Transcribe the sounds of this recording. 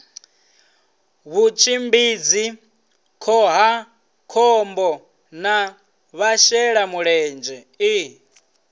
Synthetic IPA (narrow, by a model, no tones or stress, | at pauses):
βut͡ʃʰimbid͡zi | kʰɔɦa | kʰɔmbɔ | na | βaʃɛɺamuɺɛnd͡ʒɛ | i